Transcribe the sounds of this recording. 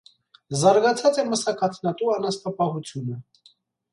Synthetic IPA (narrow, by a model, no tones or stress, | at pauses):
zɑɾɡɑt͡sʰɑt͡sɛməsɑkʰɑt̪ʰnɑt̪uɑnɑst̪ɑpɑɦut͡sʰjunə